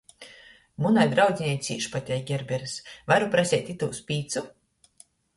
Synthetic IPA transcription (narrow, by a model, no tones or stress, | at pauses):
munajd̪ɾawd̪zʲinʲɛj̪sʲḭːʃpat̪ʲɛjɡʲɛɾbʲɛɾɨsvaɾupɾasʲɛːt̪ʲit̪uːspʲiːt̪su